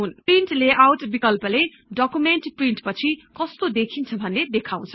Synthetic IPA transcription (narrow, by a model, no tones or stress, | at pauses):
ɦunpriɳʈleʔawʈbikʌlpʌle | ɖʌkumenʈpriɳʈpʌt͡sʰikʌst̪od̪ekʰint͡sʰʌbʱʌnːed̪ekʰaw̃t͡sʰʌ̥